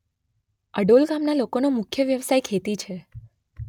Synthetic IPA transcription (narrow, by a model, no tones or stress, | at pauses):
əɖolɡamnalokonomʊkʰjəʋjəʋsajkʰet̪it͡ʃʰe